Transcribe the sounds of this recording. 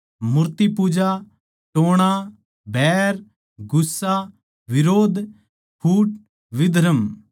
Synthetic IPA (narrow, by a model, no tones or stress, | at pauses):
mʊɾt̪ipuːd͡ʒa | ʈoːɽ̃a | bʱɛːɾ | ɡʊsːa | ʋɪɾoːd̪ | kʰuːʈ | ʋɪd̪ʱɾəm